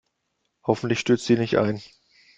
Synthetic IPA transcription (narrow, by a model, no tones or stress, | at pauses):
hɔfn̩tlɪçʃtʏt͡stz̥iːnɪçta̰ɪn